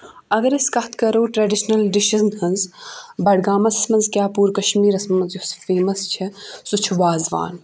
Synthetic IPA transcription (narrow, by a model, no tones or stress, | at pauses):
ɐɡɐɾɐskɐt̪ʰkɐɾoːʈɾɐɖiʃnɐlɖiʃɐznhɐnzbɐɽɡaːmɐsɐsmɐnzkʲjaːpuːɾkɐʃmiːɾɐsmɐmɐnzjusfeːmɐst͡ʃʰɐsut͡ʃʰuʋaːzʋa̰ːn